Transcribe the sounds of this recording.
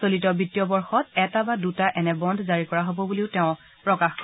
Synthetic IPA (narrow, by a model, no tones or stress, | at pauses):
solit̬ɔbitijɔbɔɹxɔtɛtabadutaʔɛnɛbɔndʱzaɹikɔɹaɦobɔbuliʊtɛʊ̃ | pɹɔkaxk